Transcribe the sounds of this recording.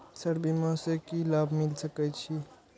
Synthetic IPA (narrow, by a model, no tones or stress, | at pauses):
səɾbimãsekilabʱmilsəkɛt͡ʃʰi